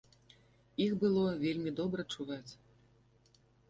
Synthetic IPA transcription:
ixbɨlˠɔvʲelʲmʲid̪ɔbɾɐt͡ʂuvat͡sʲ

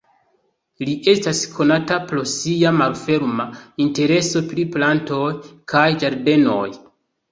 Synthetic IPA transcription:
liʔe̞staskʰo̞natapɾo̞siamalfe̞ɾmainte̞ɾe̞so̞pɾiplanto̞jkʰajd͡ʒaɾde̞no̞̰j

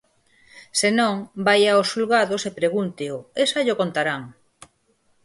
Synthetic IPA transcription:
senõŋbajaosːulɣaðosepɾeɣunt̪ɪʊesaʎokont̪aɾaŋ

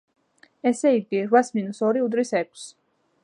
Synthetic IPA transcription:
ɛsɛiɾɡ̪iɾvasminusɔɾiud̪ɾisɛk̚ʰʷʼs

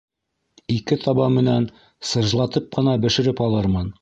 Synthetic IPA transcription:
ikɘt̪ʰɑβɑmɘ̆næn | sɤ̆ʒlˠɑt̪ɤp̚qɤ̆nɑbɘ̆ʃɘ̆ɾɘpɑlˠɤɾmɤn

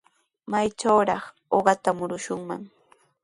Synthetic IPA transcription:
majt͡ʃawɾɑχ | oɢɑt̪amʊɾʊʃʊŋma̰ŋ

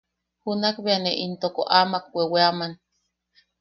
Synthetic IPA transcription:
hunakbeaneʔint̪oko̰ʔamak̚wʷeweaman

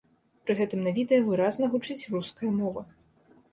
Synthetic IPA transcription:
pɾɨɣɛt̪ɨmnavʲid̪ɛjɐvɨɾaznɐɣut͡ʂɨt͡sʲruskɐjɐmɔvɐ

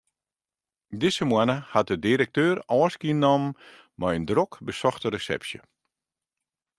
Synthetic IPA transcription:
dɪsəmwanəhat̚dədiɾək̚tøːrɔːskiənɔmː | ɔjəndrokbəsɔxtəɾəsɛ̰psjə̰

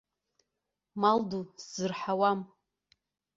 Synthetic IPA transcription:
malduszɨrħawam

